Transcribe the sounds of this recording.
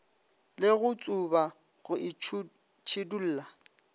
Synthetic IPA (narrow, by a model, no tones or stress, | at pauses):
lɪɣʊt͡sʼʊba | ɣʊɪ | t͡ʃʰɪdul̩ːla